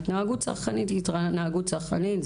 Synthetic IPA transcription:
t̪naaɡutsa̰ʁχkanitit̪ʁanaaɡutt͡saχanitz

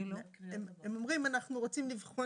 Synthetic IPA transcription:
ememo̞mʁimanaχnuʁot͡simlivχo

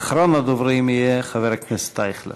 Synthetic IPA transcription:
χɾɔnadʊvɾeɪməjeχavɛɾaknɪstaɪχlˠə̰

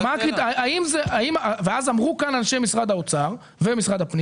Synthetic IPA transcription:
makit̪aaimzeʔaimaveazamʁukananʃejmisʁad̪haot͡saʁ | vemisʁad̪hapni

